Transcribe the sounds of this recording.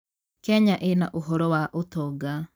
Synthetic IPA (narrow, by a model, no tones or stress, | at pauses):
kɛɲaʔenaʔoɦɔɾɔwaʔotɔɡa